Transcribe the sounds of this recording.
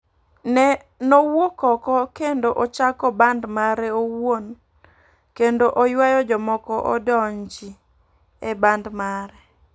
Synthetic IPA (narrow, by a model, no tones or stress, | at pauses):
nɛ | nowokɔkɔkendoʔot͡ʃakɔbandmaɾɛowon | kendoʔojwajɔd͡ʒɔmɔkɔʔɔ̰dɔɲd͡ʒi | ebandmaɾɛ